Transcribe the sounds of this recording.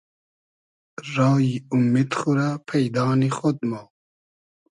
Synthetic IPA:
raːjiumːet̪xuɾapʰɛjd̪ɑːnixɔd̪̚ma

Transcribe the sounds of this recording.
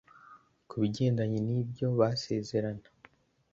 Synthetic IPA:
kʰuβiɟe̞ːndaɲinibɟo̞βase̞ːze̞ɾanḁ

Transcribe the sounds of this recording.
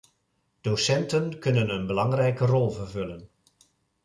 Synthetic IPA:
d̥owsɛntənkɵnənənbəlɑŋrɛjkərɔlˠvərvɵlən

